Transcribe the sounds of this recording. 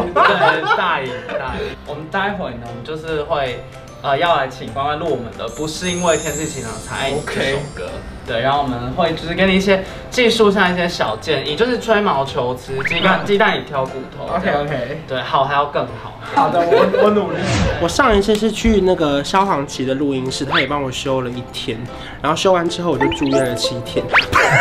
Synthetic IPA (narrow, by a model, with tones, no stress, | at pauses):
t̪we˥˩t̪a˥˩i˨˩t̪a˥˩i˨˩wɔ˨˩mə˨˦nt̪a˥ɪxwe˨˩ɪnə˦˩wɔ˨˩mə˦t͡ɕjʊʂɻ̩˥˧xwe˥˩ɪ | ə˨˧jɑ˥˩ʊla˧˥ɪt͡ɕʰi˨˩ŋkwa˥˧ŋwa˥˧nlwu˥˩wɔ˨mə˨˦nd̪ə˨˩pu˨˧˥ʂɻ̩˥˧i˦˥nwe˥˧ɪt̪ʰjɛ˥nʂɻ̩˥˧t͡ɕʰi˧˩na˨˩˨t͡sʰa˧˥ɪ˥˩˨kʰo˨˩ʊkə̰˧˦ | t̪we˥˩ɪɻa˧˥no˥˩wɔ˨mə˦nxwe˥˩ɪt͡ɕo˥˧ʊʂ̩˥kə˥ni˨˩˧i˥ɕ̬jɛ˦˥ | t͡ɕi˥˧ʂu˥˧ɕ̬ɑ˥˧ŋi˥˩ɕ̬jɛ˥ɕjɑ˨˩ʊt͡ɕjɛ˥˨˩ni˨˩t͡ɕjo˥˧ʊʂɻ̩˥˧ʈ͡ʂʰwe˥ɪmɑ˧˥ʊt͡ɕʰjo˧˦ʊt͡sɹ̩˥i˥˧˦a˥˧nt͡ɕi˥˧˥t̪a˥˧ni˨˩t̪ʰjɑ˧˥ʊku˥˩t̪ʰo̰˨˦o˧˦kʰe˦o˧kʰe˧˦ɪt̪we˥˩ɪxɑ˨˩ʊxa˧ɪjɑ˥˧ʊkə˥˩ŋxɑ˨˩˦wɔ˨˧˦nu˨˩li˥˩wɔ˨˩ʂɑ˥˧ŋi˥˩s̩ʰ˥˧ʂɻ̩˥˧t͡ɕʰy˥˧na˥˩ɡə˩ɕjɑ˥ʊfɑ˧˥ŋt͡ɕʰi˨˧˥d̪ə˨lu˥˩i˧˥ŋʂɻ̩˥˩t̪ʰa˦˥jɛ˨˩pɑ˥˩ŋwɔ˨˩ɕjo˦ʊlə˨i˥˩t̪ʰjɛ˥n | ɻa˨˥nxo˥˩ʊɕjo˥ʊwa˧˦nʈ͡ʂɻ̩˥o˥˩ʊwo˨˩t͡ɕjo˥˧ʊʈ͡ʂu˥˧jɛ˥˩nlə˩t͡ɕʰi˧˥i˥˩t̪ʰjɛ˦n